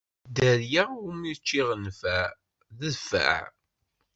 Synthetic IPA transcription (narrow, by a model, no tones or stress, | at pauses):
d̪əɾjaumiðt͡ʃːiʁənfæ | ðəðfæ̰ʕ